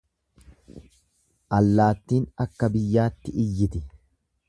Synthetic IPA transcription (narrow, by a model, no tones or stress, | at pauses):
ʔɐlːaːt̪ːiːnɐkːɐbɪjːaːt̪ːɪʔɪjːɪt̪ɪ